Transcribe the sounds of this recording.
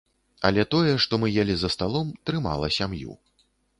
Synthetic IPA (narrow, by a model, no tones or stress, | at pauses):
ɐ̰lʲɛt̪ɔjɛʂt̪ɔmɨjalʲizɐst̪alˠɔmt̪ɾɨma̰lˠɐsʲamjṵ